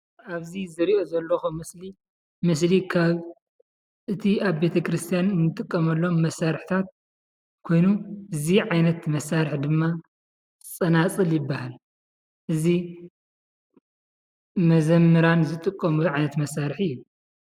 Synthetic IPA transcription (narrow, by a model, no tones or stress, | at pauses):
ʔaβzizɨɾiʔozɐlːɐxomɨsli | mɨs̬likʰaβ | ʔɨt̪ʰiaβbe̞t̪ʰɐkʰɾɨst̪ʰijanɨnːɨt̪ʼɨkʼːɐmɐlːo̞mːɐsːaɾɨħt̪ʰat̪̚ | kʰo̞jnuʔɨziʕajnɐt̪mɐsaɾɨħd̪ɨmːa | t͡sʼɐnat͡sʼɨljɪbːahal | ʔɨzi | mɐzɐmːɨɾanzɨt̪ʼɨkʼːɐmuʕajnɐt̪mɐsːaɾħiju